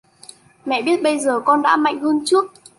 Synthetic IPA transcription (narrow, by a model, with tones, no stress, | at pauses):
mɛ̰˧˨ɓi˦˥ət̚ɓə˧jzəː˨˩kɔ˧nɗa̰ː˧˥ma̰˧˨jŋ̟həː˧nt͡ɕɨ˦˥ək̚